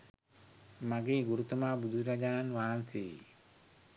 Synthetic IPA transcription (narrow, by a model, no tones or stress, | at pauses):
maɡiɡuɾut̪umabud̪uɾad͡ʒanwansi